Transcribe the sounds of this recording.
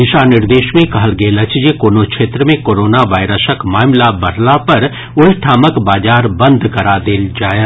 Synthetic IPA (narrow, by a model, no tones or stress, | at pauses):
d̪ɪʃanɪɾd̪eːʃmẽkɐɦəlɡeːlət͡ʃd͡ʒekoːnokʃʰeːt̪ɾəmẽkoːɾoːnaʋaːɪɾəsəkmaːmlabɐɽlapɐɾ | ʊlʈʰaːməkbaːd͡ʒaːɾbɐ̃nd̪ʱkɐɾad̪eːld͡ʒaːe